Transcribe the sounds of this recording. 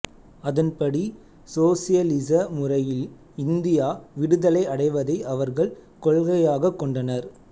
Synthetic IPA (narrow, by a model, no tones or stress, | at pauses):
ɐðɐnpɐɽi | soːsɪjɐlɪsɐmʊrɐjɪl | ɪnd̪ɪjaːʋɪɽɯðɐlɐɪɐɽɐɪʋɐðɐɪʔɐʋɐɾɣɐɭkɔɭɣɐjaːɣɐkːɔɳɖɐnɐɾ